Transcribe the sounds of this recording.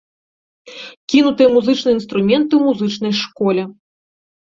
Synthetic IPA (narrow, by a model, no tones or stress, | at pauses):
kʲinut̪ɨjɛmuzɨt͡ʂnɨjinst̪ɾumʲɛnt̪ɨwmuzɨt͡ʂnɐjʂkɔlʲɛ